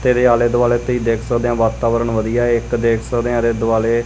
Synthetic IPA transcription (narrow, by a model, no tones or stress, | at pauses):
t̪eːɾeːaːleːd̪ʊʋaːleːt̪iːd̪eːkʰsəkd̪eãːʋaːt̪aːʋəɾəɳʋəd̪ijaːɪkd̪eːkʰsəkd̪eːãːɾeːd̪ʊʋaːleː